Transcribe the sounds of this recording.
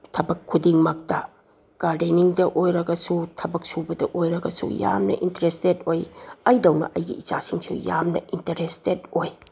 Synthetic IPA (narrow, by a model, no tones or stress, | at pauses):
tʰɐbɐkʰːudiŋmɐk̚tɐ | ɡ̥aɾdeniŋdɐʔojɾɐɡɐsutʰɐbɐk̚subɐdɐʔojɾɐɡɐsṵja̰mnɐ̰ʔintɐɾestetojɐjdɐwnɐ̰ʔɐjɡḭit͡ʃa̰siŋsṵja̰mnɐ̰intɐɾestetoj